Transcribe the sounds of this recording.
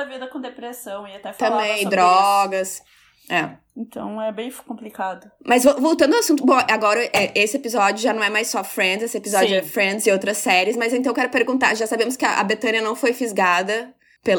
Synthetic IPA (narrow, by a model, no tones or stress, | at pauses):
ɐvid̪ɐkõd̪epɾesɐ̃w̃ɪat̪ɛft̪ɐ̃mbẽj̃d̪ɾɔɡɐs | ɛ | ẽt̪ʰɐ̰̃w̃ɛbẽj̃fkõplikad̪ʊmɐzvovowt̪ɐ̃nd̪ɐwasũt̪̬ʊbõw̃ʔaɡɔɾɐʔɛʔesɪepizɔd͡ʒʊʒanɐ̃w̃ɛmajsɔfɾẽd̪zesɪepizɔd͡ʒʊɛfɾẽnd͡ʒ̪zɪowt̪ɾɐsːɛɾiɪsmɐzẽt̪ɐ̃kɛɾʊpeɾɡũnt̪a̰ɾʒasabẽmʊskɪɐ̰ʔɐ̰bet̪ɐ̃nɐnɐ̃w̃fojfizɡad̪ɐ | pe